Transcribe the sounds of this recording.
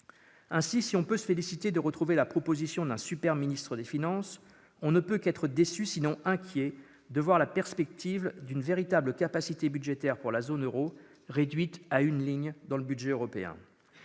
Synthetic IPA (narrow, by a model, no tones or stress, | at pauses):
ɛ̃sisiɔ̃pøsəfelisit̪ed̪əʁət̪χuvelapχɔpozisjɔ̃d̪ɛ̃sypɛʁminist̪χəd̪efinɑ̃s | ɔ̃nəpøkɛt̪χəd̪esysinɔ̃ɛ̃kʲjɛ | d̪əvwaʁlapɛʁspɛk̚t̪ʰivd̪ynveʁit̪abləkapasit̪ebyd̪ʒet̪ɛʁpuʁlazonøʁo | ʁed̪ɥit̪aynliɲd̪ɑ̃ləbyd̪ʒɛøʁɔpeɛ̰̃